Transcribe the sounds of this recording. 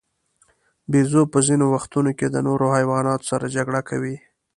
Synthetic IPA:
bezopəzinowaxt̪unoked̪ənoɾohajwɑnɑt̪o̥saɾad͡ʒaɡɽakʰawi

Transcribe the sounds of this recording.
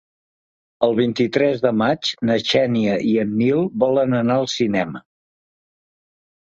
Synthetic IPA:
əlˠβ̞int̪it̪ɾɛzðəmad͡ʒnəʃɛniəʔiənːilˠbɔlənənaəlˠsinɛmə

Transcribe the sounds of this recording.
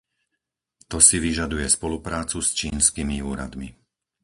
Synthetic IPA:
t̪ɔsiʋiʒad̪ujɛspɔlupɾaːt͡sust͡ʃiːnskimiuːɾa̰d̪mi

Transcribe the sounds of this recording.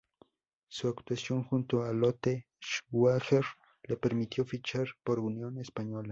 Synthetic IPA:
suakt̪wasjo̞ŋxunt̪oalot̪e | ʃwaxeɾ | lepeɾmit̪jo̞fit͡ʃaɾpoɾunjo̞nespaɲola

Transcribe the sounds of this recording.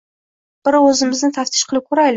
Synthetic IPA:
b̥ɪɾɵzɪmɪznɪt̪ʰaft̪ʰɪ̥ʃqʰɨlˠɪp̚kʲʰɵɾajlɪ

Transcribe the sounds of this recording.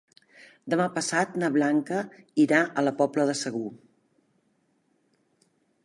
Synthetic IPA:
d̪əmapəsat̪nəβlaŋkəiɾaʔələpɔpləðəsəɣ̞u

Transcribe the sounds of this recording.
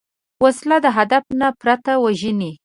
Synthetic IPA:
waslad̪əɦad̪afnapɾat̪awaʒəni

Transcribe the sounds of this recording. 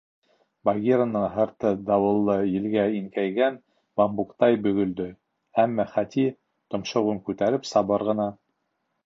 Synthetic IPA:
baɡʲiɾonːɤɴɦɤ̆ɾt̪ɤd̪ɑwɤ̆lˠːɤjɘ̆lɡæiŋkæjɡæn | bɑmbukt̪ɑjbɵ̆ɡɵ̆ld̪ɵ | æmːæχæt̪i | t̪ŏmʃɤ̆ʁuŋkʉt̪æɾɘpsɑβɤɾʁɤ̆nɑ

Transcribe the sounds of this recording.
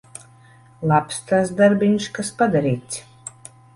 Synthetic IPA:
lˠapst̪asd̪aɾbʲiɲʃkaspad̪aɾiːt̪s

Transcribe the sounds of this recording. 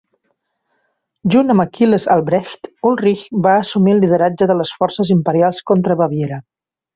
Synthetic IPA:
ʒunəməkiləza̰lˠbɾɛʃt̪ulriçbaːsumilːið̞əɾad͡ʒəðələsfɔɾsəzimpəɾialˠskont̪ɾəβəβjeɾə

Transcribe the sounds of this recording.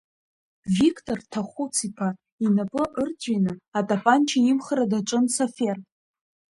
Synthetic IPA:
vikʰtʼortʰaχʷut͡sʰipʰa | inapʼɨʔərt͡sʷʼinɨatʼapʼant͡ʃʰaimχəɾadaʈ͡ʂʷʼɨnsofe̞r

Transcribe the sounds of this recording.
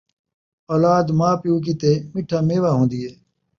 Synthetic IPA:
ɔːlaːd̪maːpjũːk̬iːt̪eːmɪʈʰaːmeːʋaːɦõːnd̪iːɦeː

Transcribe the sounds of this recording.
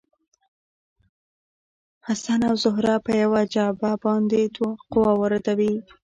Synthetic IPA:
hasanawzʊɦɾapəjawad͡ʒɑbabɑnd̪ed̪waqʊwawəɾad̪awi

